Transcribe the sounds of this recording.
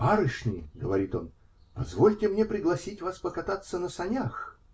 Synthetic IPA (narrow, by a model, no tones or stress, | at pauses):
paɾɨʂnʲɪɡəvɐɾʲit̪o̞n | pɐzvolʲtʲɪmnʲepɾʲɪɡlˠɐsʲitʲvaspəkɐt̪at̪sːənəsɐnʲax